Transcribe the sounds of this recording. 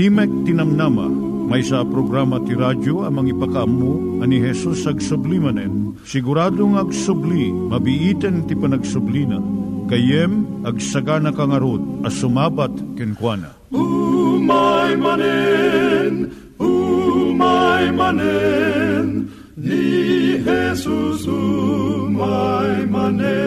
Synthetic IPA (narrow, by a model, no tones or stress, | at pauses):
imɛk̚t̪ɪnɐmnamɐ̰ | mɐjsapɾoɡɾamɐt̪iɾad͡ʒoɐmɐŋipɐkɐʔɐmːu | ɐniɦɛsusɐɡsʊblimɐnɛn | sɪɡʊɾaːd̪oŋɐɡsʊblimɐbiʔit̪ɛnt̪ipɐnɐɡsʊblinɐ̰kɐjɛmɐɡsɐɡanɐkɐŋɐɾod̪̚ɐsʊmaːbat̪kɪnkwanɐ̰ | umajmanɛ | n | umajmanɛ | n | nihɛsusu | majman